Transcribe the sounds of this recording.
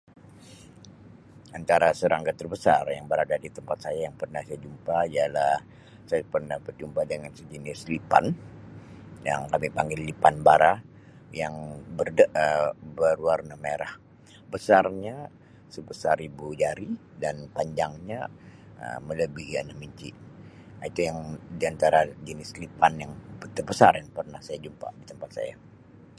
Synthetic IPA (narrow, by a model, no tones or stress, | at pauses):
ʔant̪aɾasəɾaŋɡat̪ərbəsa̰rjaŋbəɾadadit̪əmpat̪̚sajajaŋpərnahsajad͡ʒumpaialah | sajapərnahbərd͡ʒumpadəŋansəd͡ʒənɪslipa̰n | ja̰ŋkamipaŋɡɪlːipanbaɾa | jaŋbərdəəbəɾuarnameɾah | bəsarɲa | səbəsaɾibud͡ʒaɾi | danpaɲd͡ʒaŋɲa | ə̰mələbihia̰nahmiɲt͡ʃiait̪ujaŋdiant̪aɾad͡ʒənɪslipanjaŋbət̪ərbəsarjaŋpərnahsajad͡ʒumpa̰dit̪əmpat̪̚sa̰ja̰